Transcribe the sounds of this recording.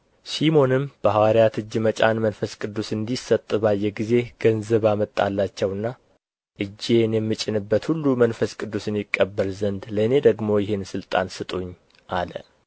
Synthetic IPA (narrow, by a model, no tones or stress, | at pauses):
simo̞nɨmb̥əhawaɾijat̪ɨd͡ʒːɨmət͡ʃʼanmənfəskʼɨd̪ːusɨnd̪isət̪ʼːɨβajɛɡize̞ɡ̥ənzəβamət̪ʼːalːat͡ʃːɛwɨnːa | ʔɨd͡ʒːenjɛmːɨt͡ʃʼːɪnɨbːət̪hulːumənfəskʼɨd̪ːusɨnjikʼːəbːəlzənd̪ləne̞d̪əɡmo̞jɪhensɨlt̪ʼa̰nsɨt̪ʼoɲː | ʔalə̰